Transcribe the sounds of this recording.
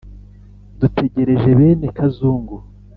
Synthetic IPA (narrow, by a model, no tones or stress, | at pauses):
dutʰe̞ɟe̞ɾe̞ʒe̞βe̞ːne̞kazuːŋɡu